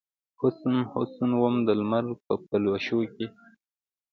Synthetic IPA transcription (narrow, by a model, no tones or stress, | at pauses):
hʊsnhʊ̰sənwamd̪əlmaɾpəpəlwaʃoke